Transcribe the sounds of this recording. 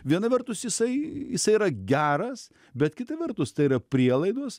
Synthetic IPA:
ʋʲiɛnɐʋʲɛrt̪ʊsjɪsɐɪjɪsɐɪiːɾɐɡʲæːɾɐs | bʲɛt̪kʲɪt̪ɐʋʲɛrt̪ʊst̪ɐɪiɾɐpʲɾʲiɛlˠɐɪd̪oːs

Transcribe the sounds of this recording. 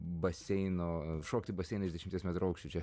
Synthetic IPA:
bɐsʲɛɪnoːʃoːkʲt̪ʲɪbɐsʲɛɪnɐɪzʲd̪ʲɛʃʲɪmt̪ʲiɛsmʲɛt̪ɾʊɐʊkʃʲt͡ʃʲʊt͡ʃʲɛ

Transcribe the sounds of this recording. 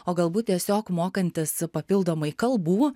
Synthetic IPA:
oːɡɐlˠbuːt̪̚t̪ʲiɛsʲoːkmoːkɐnʲt̪ʲɪspɐpʲɪlˠd̪oːmɐɪkɐlˠbuː

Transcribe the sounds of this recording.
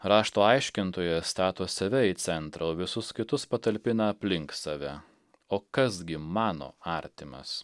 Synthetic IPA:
ɾɑːʃt̪oːɐɪʃʲkʲɪnt̪oːjɛst̪ɑːt̪oːsɐʋʲɛiːt̪sʲɛnt̪ɾɐoːʋʲɪsʊskʲɪt̪ʊspɐt̪ɐlʲpʲɪnɐɐpʲlʲɪŋksɑʋʲɛ | oːkɐsɡʲɪmɑːno̰ːɑːˑɾʲt̪ʲɪmɐ̰s

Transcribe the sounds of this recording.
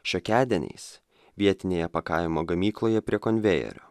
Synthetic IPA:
ʃʲokʲæːd̪ʲɛnʲɛ̰ɪs | ʋʲiɛt̪ʲɪnʲeːjɛpɐkɐɪmoːɡɐmʲiːklˠoːjɛpʲɾʲiɛkɔnʲʋʲɛjɛ̰ɾʲo̰ː

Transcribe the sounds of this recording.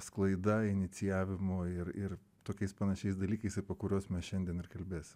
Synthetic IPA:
sklˠɐɪd̪ɐɪnʲɪt͡s̪ʲɪjæːʋʲɪmoːɪrɪr | t̪oːkʲɛɪspɑnɐʃʲɛɪsd̪ɐlʲiːkɐɪsɐɪpɐkʊɾʲoːsmʲɛsʃʲɛnʲd̪ʲiɛnɪrkɐlʲbʲeːsʲɪm

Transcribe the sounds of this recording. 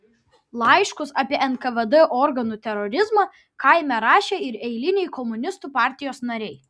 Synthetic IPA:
lˠɐɪʃkʊsɑpʲiɛɛnkɐʋɛd̪ɛʔɔɾɡɐnuːt̪ʲɛɾɔɾʲɪzmɑ | kɐɪmʲɛɾɑːʃʲeːɪɾɛɪlʲɪnʲɛɪkɔmʊnʲɪst̪uːpɑˑɾʲt̪ʲɪjoːsnɐɾʲɛɪ

